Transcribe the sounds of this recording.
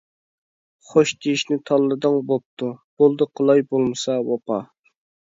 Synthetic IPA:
χoʃt̪ʰiiʃnɪt̪ʰɑlˠːɨd̪ɨŋbop̚t̪ʰub̥olˠd̪ɨqʰəlˠɑjbolˠmɨsɑwɑpʰɑ

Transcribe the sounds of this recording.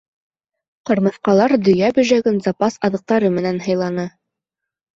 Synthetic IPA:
qɤ̆ɾmɤ̆θqɑlˠɑɾd̪ɵ̆jæbɵ̆ʒæɡɘnzɑpɑsɑðɤ̆q̚t̪ɑɾɤmɘ̆nænɦɤ̆jlˠɑnɤ

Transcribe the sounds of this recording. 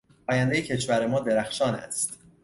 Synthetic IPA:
ʔɒːjænd̪ejecʰe̞ʃvæɾe̞mɒːd̪e̞ɾæxʃɒːnæ̰st̪

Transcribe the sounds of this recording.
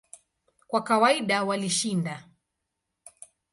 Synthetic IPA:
kwakawaiɗawaliʃinda

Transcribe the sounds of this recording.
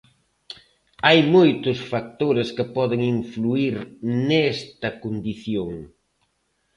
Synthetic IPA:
ajmojt̪ʊsfak̚t̪oɾɪskɪpɔðɪŋiɱfluiɾnɛst̪ɐkond̪iθjoŋ

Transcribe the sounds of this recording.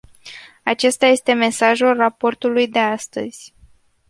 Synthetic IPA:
at͡ʃe̞st̪aje̞st̪e̞me̞saʒulrapo̞rt̪ulujd̪e̞ast̪ə̰z̥ʲ

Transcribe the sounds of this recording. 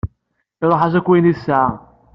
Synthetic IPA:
ɪɾˤoħazækʷːinisːʕ

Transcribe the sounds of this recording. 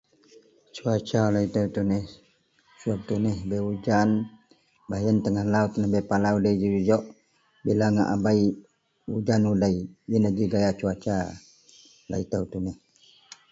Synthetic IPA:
t͡ʃuat͡ʃalait̪aut̪uneh | suap̚t̪unəhbeud͡ʒan | bajənt̪əŋahlaut̪nəhbepalaudaid͡ʒid͡ʒud͡ʒɔʔ | bilaŋa̰ʔa̰bai | ud͡ʒanudaiinəd͡ʒiɡajat͡ʃuat͡ʃa | la̰it̪əut̪unəh

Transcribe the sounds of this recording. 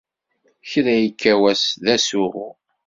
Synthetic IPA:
çɾæjəkʰːæwæsðæsuʁʊ

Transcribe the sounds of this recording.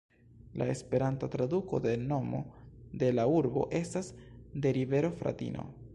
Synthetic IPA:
lae̞spe̞ɾantat̪ɾaduko̞d̪e̞no̞mo̞̰d̪e̞lauɾbo̞̰ʔe̞stasde̞ɾive̞ɾo̞fɾa̰tḭnʔo̞̰

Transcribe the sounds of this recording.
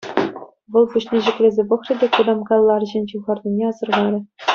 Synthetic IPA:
ʋɤ̆lˠpuɕnʲeʑɘ̆kʲlʲezʲepɤ̆χrʲɘ̆dʲekud̪ɑmkɑlˠːɑrʑɘ̆nʲt͡ɕuʁɑrnʲinʲeɑzɤ̆rʁɑɾʲɘ̆

